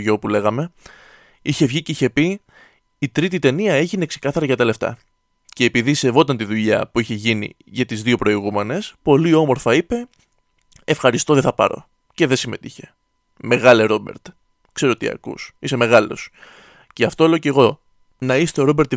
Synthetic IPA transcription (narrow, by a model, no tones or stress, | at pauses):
oopule̞ɣɐme̞ | içe̞vʝiceiçe̞pi | it̪ɾit̪̬it̪e̞niɐe̞ʝinekse̞kɐθɐɾɐʝɐt̪ɐle̞ft̪ɐ̰ | ce̞ːpiðise̞vo̞t̪ɐnt̪iðuʎɐ̰puiçe̞ʝinḭ | ʝɐt̪izðio̞pɾo̞iɣume̞ne̞spo̞lio̞mo̞ɾfɐipe̞ | efxɐɾist̪oðeθɐpɐ̰ɾo̞̰ | ce̞ðe̞sime̞t̪içe̞̥ | me̞ɣɐleɾo̞be̞̰ɾt̪ | kse̞ɾot̪ḭɐ̰kṵsise̞me̞ɣɐlo̞̰s | ceɐft̪o̞eleoce̞ɣo̞ | nɐist̪e̞o̞ɾo̞beɾt̪